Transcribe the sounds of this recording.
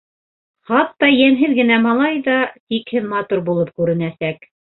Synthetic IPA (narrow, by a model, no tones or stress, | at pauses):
χɑt̪ːɑjænɦɘðɡɘ̆næmɑlˠɑjðɑt̪ikhɘðmɑt̪uɾbulˠɤp̚kʉɾɘ̆næsæk